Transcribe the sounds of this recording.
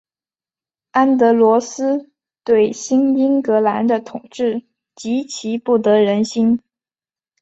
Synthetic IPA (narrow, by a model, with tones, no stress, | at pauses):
a˥nt̪ɤ˧˥lwɔ˧˥sɹ̩˥ | t̪we˥˩ɪɕi˥ni˥ŋkɤ˧˥la˧˥nd̪ə˧t̪ʰʊ˨˩ŋʈ͡ʂɻ̩˥˩ | t͡ɕi˧˥t͡ɕʰi˧˥pu˥˩t̪ɤ˧˥ɻə˧˥nɕi˥n